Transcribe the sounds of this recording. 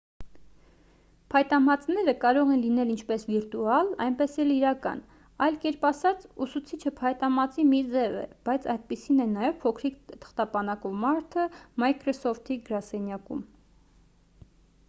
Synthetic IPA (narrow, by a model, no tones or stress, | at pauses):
pʰɑjt̪ɑmɑt͡snɛɾəkɑɾɔʁɛnlinɛlint͡ʃʰpɛsviɾt̪uɑlɑ̰jnpɛsɛliɾɑkɑ̰n | ɑjlkɛɾpɑsɑt͡susut͡sʰit͡ʃʰəpʰɑjt̪ɑmɑt͡simid͡zɛvɛ̰b̥ɑjt͡sʰɑjd̪̚pisinɛnɑjɛvpʰɔkʰɾikt̪ʰə̥χt̪ɑpɑnɑkɔvmɑɾt̪ʰəmɑjkɾɔsɔft̪ʰiɡəɾɑsɛnjɑkṵm